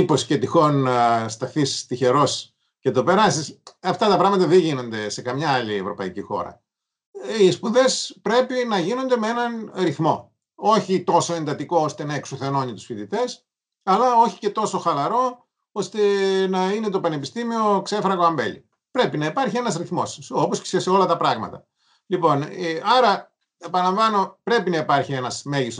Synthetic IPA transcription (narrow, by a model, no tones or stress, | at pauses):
iposce̞t̪ixo̞nst̪ɐθisi̥st̪içe̞ɾo̞si̥ | ce̞t̪o̞pe̞ɾɐst̪isɐft̪ɐt̪ɐpɾɐɣmɐt̪ɐðeʝino̞nd̪e̞se̞kɐmɲɐɐlievɾopɐ̰icixo̞̰ɾɐ̰ | ispuðe̞spɾe̞pinɐʝino̞nd̪e̞mee̞nɐnɾiθmo̞ | o̞çit̪o̞so̞e̞nd̪ɐt̪iko̞ost̪e̞nɐeksoθe̞no̞ɲit̪usfiðit̪e̞s | ɐlɐo̞çi̥ce̞t̪o̞so̞xɐlɐɾo̞ | o̞st̪e̞nɐine̞t̪o̞pɐne̞pist̪imio̞kse̞fɾɐɣoɐmbḛlḭ | pɾe̞pinɐipɐɾçie̞nɐzɾiθmo̞̰sso̞posce̥seseo̞lɐt̪ɐpɾɐɣmɐ̰t̪ɐ | lipo̞neɐɾɐ | epɐnɐlɐɱvɐno̞pɾe̞pinɐipɐɾçie̞nɐsme̞ʝis